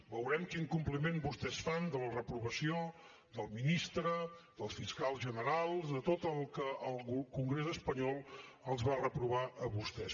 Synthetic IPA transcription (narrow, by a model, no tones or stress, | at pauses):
bəwɾɛmkiŋkumplimenbust̪ɛsfand̪ələrəpɾuβəsio | d̪əlˠminist̪ɾəd̪əlˠsfiskalˠzʒənəɾalˠzd̪ət̪ot̪əlˠkəʔːlˠkuŋɡɾezəspəɲɔlˠəlˠzβarəpɾuβaʔəβust̪ɛs